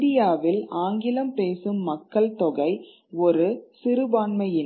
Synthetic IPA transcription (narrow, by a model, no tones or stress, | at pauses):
dɪjaːʋɪlaːŋɡɪlɐmpeːsɯmːɐkːɐɭt̪ɔɣɐɪ | ɔɾɯsɪɾɯbaːɳmɐjɪn